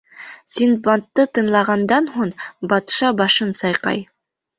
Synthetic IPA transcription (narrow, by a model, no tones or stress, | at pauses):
sinbɑnt̪ːɤt̪ɤ̆nlˠɑʁɑnd̪ɑnɦuɴbɑt̪ʃɑbɑʃɤnsɑjqɑ̰j